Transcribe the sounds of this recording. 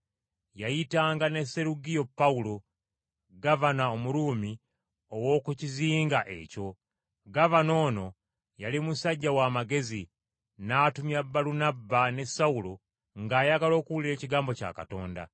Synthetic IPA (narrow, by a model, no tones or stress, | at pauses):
jajitaːŋɡane̞se̞ɾuɡijo̞pːawulo | ɡavanaomuɾuːmi | owo̞ːkuciziːŋɡaʔe̞̰co̞ | ɡavano̞ːno̞ | jalimusaɟːawaːmaɡe̞zi | naːtumjabːaɾunabːane̞saulo | ŋɡaːjaɡalo̞ːkuwuliɾe̞ːciɡaːmbo̞ca̰ːka̰to̞ːnda̰